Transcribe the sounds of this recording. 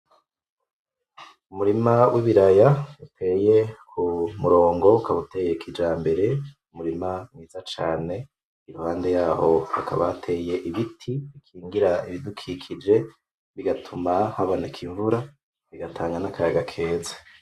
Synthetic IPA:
umuɾimawʔiβiɾajautʰe̞ːje̞kʰumuɾo̞ːŋɡo̞ukaβute̞jekʰid͡ʒaːmbe̞ɾe̞ | umuɾimamŋiːzat͡ʃaːne̞ | iɾuhaːnde̞jaːho̞ha̰kʰa̰βa̰atʰe̞je̞ʔiβitʰiβikʰiːŋɡiɾaiβidukʰikʰid͡ʒe̞ | βiɡatʰumahaβonekʰiɱvuɾa | βiɡatʰaːŋɡanakʰajaɡakʰe̞ːzḁ

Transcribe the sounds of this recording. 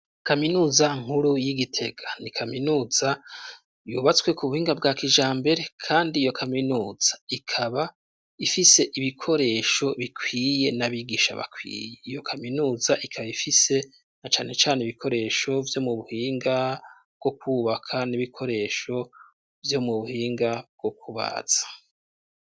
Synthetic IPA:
kaminuːzaŋ̥huɾujiɡitʰe̞ɡ̥anikʰaminuːz̥a | jṵːβat͡swe̞kuβuhiːŋɡab̚ɡaːkiʒaːmbe̞ɾe̞kʰaːndiːjo̞kʰaminuːz̥ḁikʰaβa | ifise̞ʔiβikʰo̞ɾe̞ːʃo̞βikʰwiːje̞naβiːɡiːʃa̰βa̰kʰwḭːje̞ijo̞kʰaminuːzaʔikʰaβaifise̞ | nat͡ʃaːne̞t͡ʃaːneiβikʰo̞ɾe̞ːʃo̞vjo̞muβuhiːŋɡa | b̚ɡ̥o̞kuːβakʰaniβikʰo̞ɾe̞ːʃo̞ | vjo̞muβuhiːŋɡab̚ɡ̥o̞kʰuβa̰ːz̥ḁ

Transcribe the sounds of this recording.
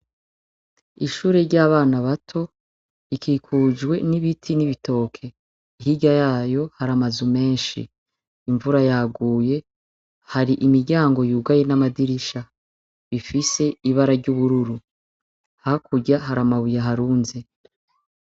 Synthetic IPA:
iʃuːɾe̞ɾɟaːβaːnaβatʰo̞ | ikʰiːkʰuːd͡ʒɡwe̞niβitʰiniβito̞kʰe̞ | iɦiɟajaːjo̞haɾamazume̞ːnʃḭː | ɱvuɾajaɡuːje̞ | haɾiʔimiɾɟaːŋɡo̞juːɡaje̞namadiɾiʃa | βifise̞iβaɾaɾɟuːβuɾuɾu | hakuɟaɦaɾamaβujaɦaɾuːnze

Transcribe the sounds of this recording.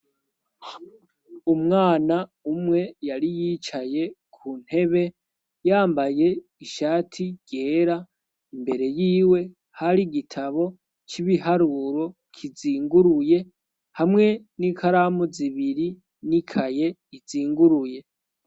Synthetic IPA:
umŋaːnaumŋe̞jaɾijit͡ʃaje̞kʰuːn̥he̞βe̞ | jaːmbaje̞iʃaːtʰiɟ̥e̞ːɾa | imbe̞ɾe̞jiːwe̞ | haɾiɡitʰaβo̞ | t͡ʃiβiɦaɾuɾo̞ | kʰiziːŋɡuɾuje̞ | hamŋe̞nikʰaɾamuziβiɾi | nikʰaje̞ | iziːŋɡuɾuje̞

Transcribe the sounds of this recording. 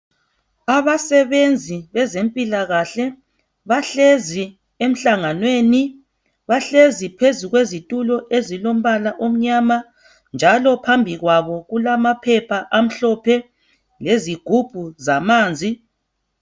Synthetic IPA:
aβasɛβend͡zʱiβɛzempʼilaɣaɬɛ | βaɬezi | em̩ɬaŋanweni | βaɬezipʰezuɣwezitʼulɔʔezilom̩βalaʔom̩ɲaːma | nd͡ʒʱalɔpʰambʱiɣwaβɔɣulamapʰɛpʰaʔam̩ɬɔpʰɛ | leziɡ̥ʱub̥ʱuzamaːnd͡zʱi

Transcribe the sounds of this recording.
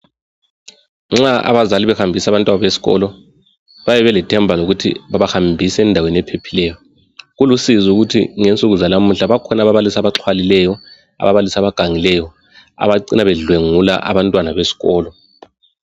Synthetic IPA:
ŋ͡ǁaa̰βazaliβɛhambʱisaβantʼwanaβesi̥ɣɔ̰lɔ | βajɛβɛlɛtʰɛmbʱaloɣutʰḭβaβahambʱisɛndʱaweniɛpʰepʰilɛjɔ | ɣulusizuɣutʰḭŋent͡sʼuɣuzalamuɬaβakʰɔnaβaβalisaβaǁʰwalilɛjɔ | a̰βaβalisaβaɡ̥ʱaŋilɛjɔ | a̰βaǀinaβɛɮweŋula̰ʔa̰βantʼwanaβesi̥ɣɔːlɔ

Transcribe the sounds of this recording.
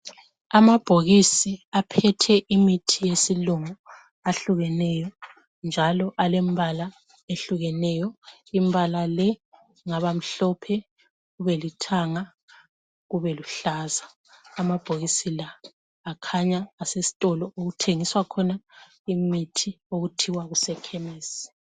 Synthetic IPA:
amab̥ʱoɣisiapʰɛtʰɛʔimitʰijesiluŋu | aɬuɣɛnɛjɔ | nd͡ʒʱalɔʔalembʱala | eɬuɣɛnɛjɔimbʱalalɛ | ŋaβam̩ɬɔpʰɛ | ɣuβɛlitʰaŋa | ɣuβɛluɬazaː | mab̥ʱoɣisilaː | kʰaɲaːsesi̥tʼɔlɔoɣutʰeŋiswakʰɔna | imitʰi | oɣutʰiwaɣusɛkʰɛmeːsi̥

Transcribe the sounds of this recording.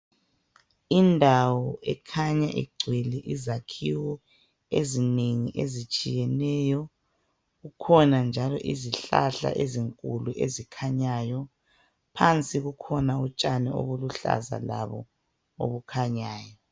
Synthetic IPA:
indʱawɔʔɛkʰaɲaʔḭɡ͡ǀʱwɛlɛʔizakʰiwɔ | ezineŋiʔezit͡ʃʼijɛnɛjɔ | ɣukʰɔnand͡ʒʱalɔ̰ʔiziɬa̰ɬa̰ʔeziŋkʼuluʔezikʰaɲajɔ | pʰant͡sʼiɣukʰɔnaut͡ʃʼanɛo̰βuluɬa̰za̰la̰βɔ̰ | o̰βukʰaɲaːjɔ

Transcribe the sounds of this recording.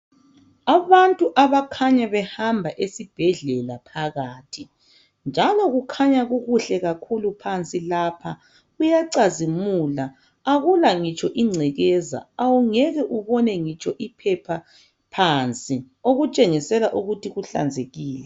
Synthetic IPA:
aβantʼuʔaβakʰaɲaβɛhambʱaʔesib̥ʱɛɮɛlapʰaɣaːtʰi | nd͡ʒʱalɔɣukʰaɲaɣuɣuɬɛɣakʰulupʰant͡sʼilapʰa | ujaǀazimula | aɣulaŋit͡ʃʼɔʔiŋ͡ǀʱɛɣɛza̰awuŋɛɣɛʔuβɔnɛŋit͡ʃʼɔʔipʰɛpʰa | pʰant͡sʼi | oɣut͡ʃʼeŋisɛlaʔuɣutʰiɣuɬa̰nd͡zʱeɣiːlɛ

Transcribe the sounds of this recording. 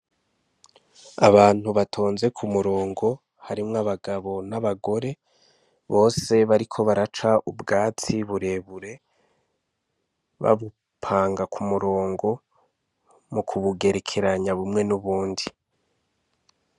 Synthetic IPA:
a̰βaːn̥huβatʰo̞ːnze̞kʰumuɾo̞ːŋɡo̞ | haɾimŋaβaɡaβo̞naβaɡo̞ɾe̞ | βo̞ːse̞βaɾikʰo̞βaɾat͡ʃaʔubɡaːt͡siβuɾe̞βuɾe̞ | βa̰βu | pʰaːŋɡakʰumuɾo̞ːŋɡo̞ | mukʰuβuɡe̞ɾekʰe̞ɾaɲaβumŋe̞nuβuːndi

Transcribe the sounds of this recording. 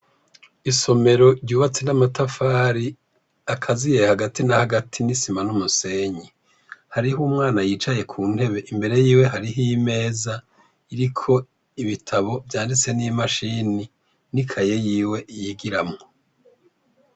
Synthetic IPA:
iso̞me̞ɾo̞ɾɟuːβat͡senamatafaːɾi | akʰazije̞haɡatinahaɡatʰinisimanumuse̞ːɲi | haɾihumŋaːnajiːt͡ʃaje̞kʰuːn̥e̞βe̞ʔimbe̞ɾe̞jiːwe̞ɦaɾiɦime̞ːza | iɾikʰo̞ | iβitʰaβo̞vjaːndit͡se̞nimaʃini | nikʰaje̞jiːwe̞ʔijiɡiɾamŋo

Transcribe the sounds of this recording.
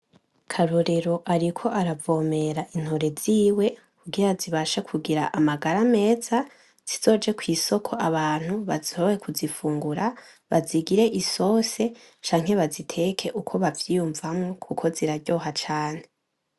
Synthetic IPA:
kʰaɾoɾe̞ɾo̞ʔaɾikʰo̞ʔaɾavo̞ːme̞ɾaʔin̥ho̞ɾe̞ziːwe̞ | kuɡiɾaziβaʃakʰuɡiɾaʔamaɡaɾame̞ːz̥a | z̥izo̞ːd͡ʒe̞kwiːso̞kʰo̞ʔaβaːn̥huβazihoβojekʰuzifuːŋɡuɾa | βaziɡiɾe̞ʔiso̞ːse̞ | t͡ʃaːŋ̥he̞βazitʰe̞kʰe̞ʔukʰo̞βavjiːjuɱvamŋokʰukʰo̞ziɾaɾɟo̞ːɦat͡ʃaːn̥e̞

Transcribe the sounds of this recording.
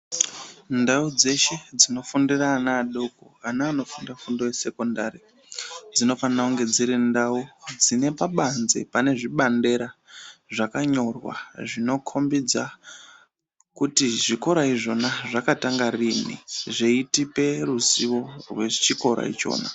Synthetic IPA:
ndaud͡ze̞ʃe̞d͡zino̞fundiraːnaːɗokoanaːno̞fundafundo̞wese̞kondaɾi | d͡zino̞fanauŋɡe̞d͡ziɾindaud͡zine̞paɓanzḛpane̞ʐiɓande̞ɾaʐakaɲo̞rwa̰ʐino̞kʰo̞mbid͡za | kutiʐiko̞ɾaiʐo̞naʐakataŋɡarinḭʐeitipe̞ruziwo̞rwe̞t͡ʃiko̞ɾa̰ḭt͡ʃo̞̰ːna̰

